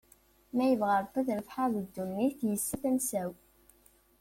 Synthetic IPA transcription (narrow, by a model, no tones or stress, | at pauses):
mæjəvʁəɾˤθˤəθɾəfħaðəd̪ːunːiθjəsːəθæmsæw